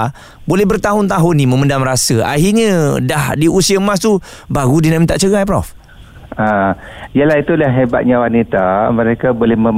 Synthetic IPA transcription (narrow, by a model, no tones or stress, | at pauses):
bolɛhbərt̪aɦʊnt̪aɦʊnːimə̃məndamɾasəa̰ɦirɲə̃dahdiusiamãs̬t̪u | baɡudinaʔmĩt̪aʔt͡ʃəɡajpɾɔf | aijəlaɦit̪ulaɦeba̰t̪̚ɲãwanit̪aməɾekabolɛhmə